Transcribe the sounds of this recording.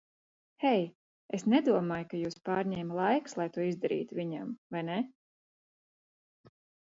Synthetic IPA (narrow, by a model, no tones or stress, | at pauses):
hɛj | esnɛd̪uɔmaːjkajuːspɑːɾɲʲɛːmlˠajkslˠajt̪uɔizd̪aɾḭːt̪uvʲiɲa̰mvajnɛ